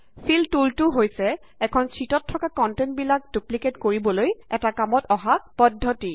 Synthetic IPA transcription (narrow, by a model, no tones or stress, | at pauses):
siltultʊɦojsɛ | ɛkʰɔnsɹitɔtʰːɔkakɔntɛntbilak̚dupliketkoɹibɔlojɛtakamɔtɔɦapɔdʱːɔti